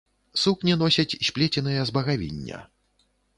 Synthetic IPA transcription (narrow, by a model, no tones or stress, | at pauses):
suknʲinɔsʲɐt͡sʲɕʲpʲlʲet͡sʲɛnɨjɐzbɐɣavʲḭnʲːɐ̰